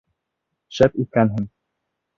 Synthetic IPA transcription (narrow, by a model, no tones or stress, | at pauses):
ʃæpit̪̚kænɦɘŋ